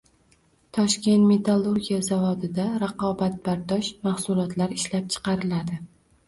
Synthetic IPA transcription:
t̪ʰɒʃkʲe̞nt̪me̞t̪ʰalˠːuɾɡʲijazavɒd̪ɪd̪aɾaqʰɒbat̪̚baɾd̪ɒʃmaχsʊlˠɒt̪ʰlaɾɪʃlap̚t͡ʃʰɨ̥qɑɾɪlad̪ɪ

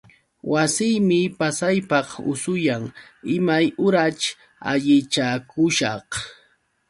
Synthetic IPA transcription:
wʔasɪjmɪpasajpɑχʊ̰sʊjaŋɪmajʊɾat͡ʃ | a̰ʎɪt͡ʃakʊʃɑχ

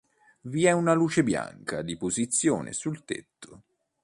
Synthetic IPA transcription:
viɛunaluːt͡ʃebja̰ŋkad̪ipozit̪sːjo̰ːnʔḛsult̪ḛt̪ːo

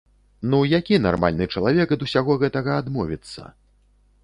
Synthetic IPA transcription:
nujakʲinarma̰lʲnɨt͡ʂɐlˠavʲɛkd̪usʲaɣɔɣɛt̪ɐɣɐad̪mɔvʲit̪sːɐ̰

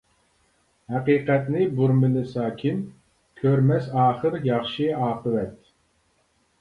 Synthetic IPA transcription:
hæqiːqɛt̪nɪbuɾmɨnɨsɑːkʲʰim | kʲʰøɾmɛsɑːχəɾjɑχʃiɑːqəvɛt̪̚

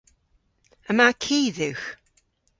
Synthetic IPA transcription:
əmakʰiːðʉx

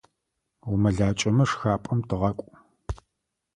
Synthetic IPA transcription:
wʊmɐɮaːt͡ʃʼɐmɐʂxaːpʼɐmtʰɨʁɐkʷʼʊ

